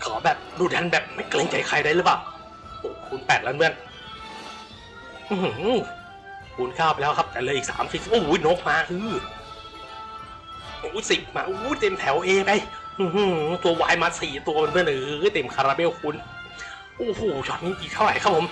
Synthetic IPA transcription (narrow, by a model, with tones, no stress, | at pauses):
kʰɔː˩˦bɛː˨˩p̚duː˧˩t̪ʰɛ˧˥nbɛː˨˩p̚ma˥˩jkle˧ŋt͡ɕa˧˩jkʰa˧jda˥˩jɾɯ˦˩paː˨˩w | ʔo˨˩kʰu˧˦npɛː˨˩t̪̚laː˧nbɯ˦˥˩ən | ʔɯ˧h | kʰuː˧˥nkaː˥˩wpa˧lɛː˦˥wkʰa˦˥p̚t̪ɛː˨˩lɤː˧ʔiː˨˩sa̰ː˩˦msʰi˧˩i˨˩ʔu˧˩˦jno˦˥k̚maː˧ʔɯː˧˥ | ʔuː˨˦si˨˩p̚maː˧ʔuː˧˦jt̪e˧mt̪ʰɛ˨˩˦wʔeː˧pa˧˩j | ʔɯː˧˩ht̪u˧ɐwaː˧jmaː˧t̪̚siː˨˩t̪u˧ɐma˧nbɯ˧˩ənʔɯː˨˦jt̪e˧˩mkʰa˧ɾaː˧be˦˥˨wkʰu˧˥n | ʔo˧˩huː˨˩t͡ɕʰɔː˧˩t̪̚niː˧˥˩ʔiː˨˩t̪ʰa˥˩ɾa˨˦jkʰa˦˥p̚ʰo˨˦m